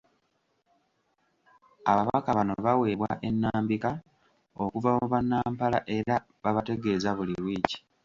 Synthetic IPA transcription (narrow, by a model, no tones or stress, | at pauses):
aβaβakaβanoβawe̞ːβwa̰ʔe̞nːaːmbika | o̞kuvamuβanːaːmpalaʔe̞ɾa | βaβate̞ɡe̞ːzaβuliβwiːci̥